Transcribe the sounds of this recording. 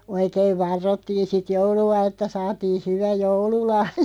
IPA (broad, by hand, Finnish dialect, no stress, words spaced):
oikeiʋ ʋɑrːotːiːn̞ sit jouluɑ etːæ sɑːtiː hyʋæ joululɑhjɑ̥